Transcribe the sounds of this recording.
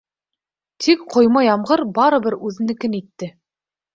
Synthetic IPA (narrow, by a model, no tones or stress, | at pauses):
t̪ʰikqʰŏjmɑjɑmʁɤɾbɑɾɤ̆bɘɾʉðɘ̆nɘkɘ̆nit̪ːɘ